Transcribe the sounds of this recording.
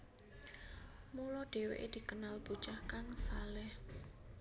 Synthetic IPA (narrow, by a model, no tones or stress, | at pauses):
mulɔɖ̥e̤wḛʔed̪̥i̤kənalb̥ut͡ʃahkaŋsalɛh